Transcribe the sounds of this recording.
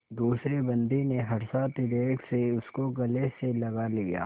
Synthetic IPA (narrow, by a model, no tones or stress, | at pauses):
d̪uːsɾebɐ̃nd̪ineɦɐɾsat̪ɪɾeːʈseʊskoɡɐleselɐɡalija̰ː